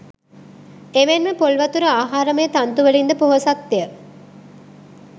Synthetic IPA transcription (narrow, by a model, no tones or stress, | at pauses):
eʋenmepolʋɐt̪uɾəaːɦaːɾəməjət̪ant̪uʋəlind̪əpoɦosak̚t̪ijə